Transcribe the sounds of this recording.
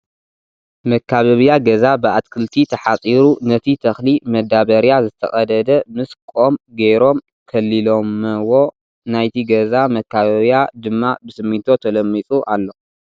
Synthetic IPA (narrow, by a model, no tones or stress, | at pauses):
mɐkʰːaβɐβjaɡɐzabɨʔat̪kʰɨlt̪ʰit̪ʰɐħat͡sʼiɾunɐt̪ʰit̪ʰɐxlimɐd̪aβɐɾijazɨt̪ʰɐ̰xʼɐd̪ɐd̪ɐmɨskʼo̞mɡejɾo̞m | kʰɐlːilo̞mːɐwo̞ | najt̪ʰiɡɐzamɐkʰːaβɐβjad̪ɨmːabɨsɨmːit̪ʰot̪ʰɐlɐmːit͡sʼuʔalːo